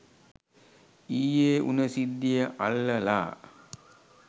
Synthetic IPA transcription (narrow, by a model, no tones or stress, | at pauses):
iːjeːʔṵnəsid̪ːijəʔalːəla̰ː